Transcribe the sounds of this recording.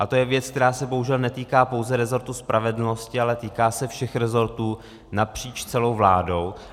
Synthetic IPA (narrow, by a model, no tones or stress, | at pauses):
ʔat̪o̞jɛvjɛt͡sk̚t̪ɛɾaːsɛboɦuʒɛlnɛt̪iːkaːpo̞wzɛɾɛzo̞ɾt̪uspɾʔavɛdl̩no̞scɪalɛt̪iːkaːsɛfʃɛxɾɛzo̞ɾt̪uː | napr̝̥iːt͡ʃt͡sɛlo̞wvla̰ːdo̞w